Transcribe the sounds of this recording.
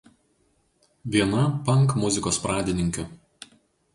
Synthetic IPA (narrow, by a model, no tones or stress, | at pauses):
ʋʲiɛnɐpɐŋˑkmʊzʲɪkoːspɾɑːd̪ʲɪnʲɪŋʲkʲʊ